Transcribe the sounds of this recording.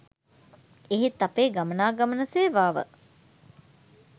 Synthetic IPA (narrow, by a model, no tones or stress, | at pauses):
eɦet̪ɐpeːɡamənaːɡɐmənɐseːʋaːʋə̰